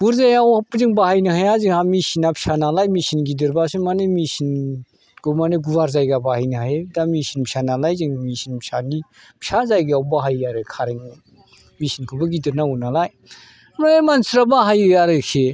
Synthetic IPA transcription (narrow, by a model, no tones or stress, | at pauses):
buɾzajawapzɯŋbahajnɯɦajaziŋhamisinapʰi̥sʰanalajmisinɡidɯɾbasimanemisin | kʰɯmaneɡuwaɾzajɡabahajnɯɦajdamisinpʰsanalajziŋmisinpsani | pʰsazajɡɯawbaɦajaɾɯkʰaɾeŋɯ | misinkʰobaɡidiɾnaunalaj | manemansiɾabaɦajɯaɾɯkʰe